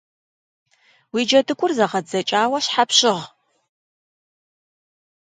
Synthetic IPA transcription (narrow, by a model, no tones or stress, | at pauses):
wiːd͡ʒɐdɨkʷʼʊrzɐʁɐdzɐt͡ʃʼaːwɐɕħapɕɪʁ